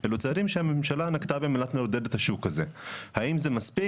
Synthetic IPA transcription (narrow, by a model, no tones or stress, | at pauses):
ʔelut͡seaɾimʃehamemʃalanakt̪abemelat̪meod̪edet̪haʃukazehaimzemaspi